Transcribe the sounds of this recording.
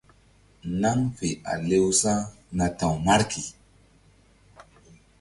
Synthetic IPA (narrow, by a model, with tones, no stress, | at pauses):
na˦ŋfe˨a̰˨le˦wsa˦ | na˨ta˨wma˦ɾkʰi˨